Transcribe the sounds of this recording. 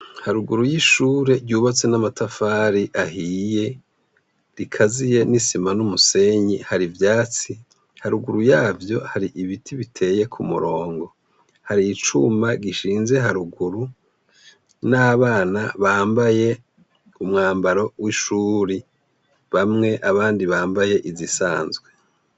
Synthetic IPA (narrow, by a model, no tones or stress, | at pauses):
haɾuɡuɾujiʃuːɾe̞ɟuːβat͡se̞namatafaːɾiʔahije̞ | ɾikʰazije̞nisimanumuse̞ɲihaɾivjaːt͡si | haɾuɡuɾujaːvjo̞haɾiʔiβitʰiβitʰe̞je̞kʰumṵɾo̞ːŋɡo̞ | haɾiːt͡ʃumaɡiʃiːnze̞ɦaɾuɡuɾu | naːβaːnaβaːmbaje̞ | umŋaːmbaɾo̞wiʃuɾi | βamŋe̞ʔaβaːndiβaːmbaje̞ʔizisaːnzɡwe̞